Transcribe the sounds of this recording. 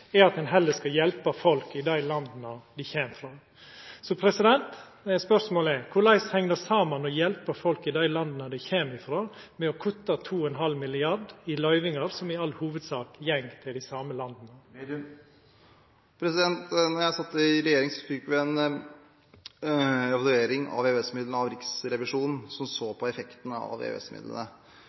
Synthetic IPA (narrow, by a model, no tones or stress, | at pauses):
ɛɾɑt̪d̪ɛnɦɛlːəskɑjɛlpəfɔlkɪd̪æɪlɑnd̪nəd̪ɪçeːmfɾoː | sɔpʰɾɛsɪd̪ɛnt̪ | spœʂmoːlɛkʰʊɾɭæɪshɛŋnəsɑːmənɔjɛlpəfɔlkɪd̪æɪlɑnd̪nəd̪ɪçeːmɪfɾoː | mɛɔkʰʊt̪ət̪ʰuːɔɛnɦɑlmɪlɪɑɖɪlœʏʋɪŋɑɾsɔmɪɑlhuːʋəd̪sɑːkjɛŋt̪ʰɪld̪ɪsɑːməlɑnd̪nə | pʰɾɛsɪd̪ɛnt̪nɔɾjæɪsɑt̪ːəɪɾɛjeːɾɪŋsɔ̥fɪkːʋɪɛn | ɛʋɑlʉeːɾɪŋɑ̰ʋeøɛsmɪd̪lənəɑʋɾɪksɾɛʋɪʂuːnn̩sɔmsoːpʰɔɛfɛkt̪ənəɑ̰ʋḛːø̰ɛ̰smɪ̰d̪lə̰nə